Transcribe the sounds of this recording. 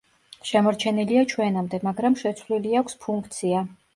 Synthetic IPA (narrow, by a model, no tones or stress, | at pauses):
ʃɛmɔɾt͡ʃʰɛniliat͡ʃʰwɛnamd̪ɛmaɡɾamʃɛt̪sʰvliliakʷʰspʰuŋkʰt̪sʰia